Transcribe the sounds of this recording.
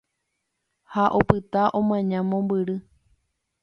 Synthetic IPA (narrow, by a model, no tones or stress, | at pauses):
haʔopɨt̪aʔõmãɲãmõmbɨɾɨ